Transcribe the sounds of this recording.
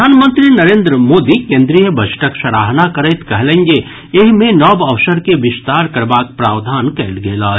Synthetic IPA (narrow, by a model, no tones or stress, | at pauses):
aːnmə̃nt̪ɾinɐɾẽːnd̪ɾəmoːd̪ikẽːnd̪ɾijəbʱət͡ʃʰʈəkʃɐɾaːɦnakɐɾeːt̪kɐɦlẽŋɡe | eɦmẽnɔːbɐʋʃəɾkeʋɪst̪aːɾkɐɾbaːk̚pɾaːʋd̪ʱaːnkeːlɡeːlaː